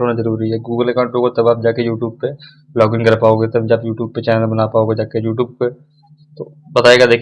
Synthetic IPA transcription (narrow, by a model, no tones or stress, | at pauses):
ɦoːnazəɾuːɾiɦɛɡuːɡəlekãʊ̃ɳʈoːkot̪ɐbaːp̚d͡ʒaːkejuːʈjuːb̚pe | lɔːɡɪnkɐɾpaːoɡet̪ɐbd͡ʒɐbjuːʈjuːb̚pet͡ʃɛːnəlbɐnapaːoɡed͡ʒaːkejuːʈjuːb̚pe | t̪o | bɐt̪aːeːɡad̪eːkʰ